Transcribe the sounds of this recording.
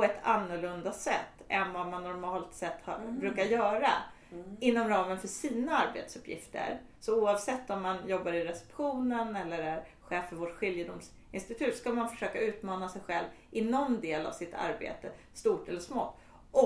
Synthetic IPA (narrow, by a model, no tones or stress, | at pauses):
pʰɔɛt̪ʰanːʊɭɵnd̪asɛ̰t̪ːɛnvamanːɔɾmɑːlt̪sɛt̪ːhɑ̰ɾbɾʉ̟ːkaɾjœːɾa | ɪnːɔmɾɑːmənfœʂiːnaaɾbḛːt̪sɵpʰjɪ̰ft̪ʰə̰ɾ | sɔuːavsɛt̪ːɔmːanjɔbːaɾɪɾɛsɛ̥pɧuːnənɛlːəɾæɾ | ɧeːfːœɾvoʈɧɪljəd̪ʊms | ɪnst̪ɪt̪ʰʉ̟ːt̪skamanfœ̥ʂøːkaʉ̟ːt̪mɑːnasɛjɧɛlvɪnɔnd̪eːla̰vsɪt̪ʰa̰ɾbḛːt̪ə | st̪uːʈɛlːəʂmo̰ː | ʔɔ